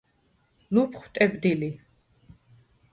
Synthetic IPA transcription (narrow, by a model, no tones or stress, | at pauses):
lupʰχwt̪ʼɛbd̪ili